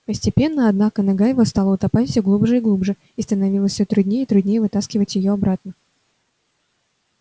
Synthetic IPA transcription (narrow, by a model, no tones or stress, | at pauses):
pəsʲtʲɪpʲe̞nːəɐd̪nakənɐɡajɪvost̪ɑlˠəʊt̪ɐpafʲsʲoɡlˠubʐɨiɡlˠubʐɨ | ist̪ənɐvʲilˠəsʲsʲot̪ɾʊdʲnʲejəit̪ɾʊdʲnʲejəvɨt̪askʲɪvətʲjɪjoɐbɾat̪nə